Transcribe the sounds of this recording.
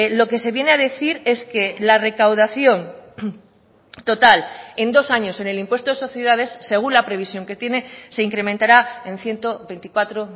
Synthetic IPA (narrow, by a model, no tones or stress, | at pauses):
loke̞se̞βje̞neaðe̞θiɾe̞ske̞lare̞kawðaθjo̞n | t̪o̞t̪ale̞nd̪o̞saɲo̞se̞ne̞limpwe̞st̪oe̞so̞θjeðað̞e̞sːe̞ɣ̞unlapɾe̞β̞isjo̞ŋke̞t̪je̞ne̞se̞iŋkɾe̞mẽnt̪aɾaenθje̞nt̪oβe̞jnt̪ikwat̪ɾo